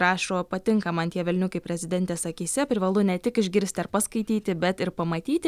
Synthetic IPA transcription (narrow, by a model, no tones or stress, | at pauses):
ɾɑːʃoːpɐt̪ʲɪŋkɐmɐnt̪ʲiɛʋʲɛlʲnʲʊkɐɪpʲɾʲɛzʲɪd̪ʲɛnʲt̪ʲeːsɐkʲiːsʲɛpʲɾʲɪʋɐlˠʊnʲɛt̪ʲɪkɪʒʲɡʲɪɾʲsʲt̪ʲɐɾpɐskɐɪt̪ʲiːt̪ʲɪbʲɛt̪ɪɾpɐmɐt̪ʲiːt̪ʲɪ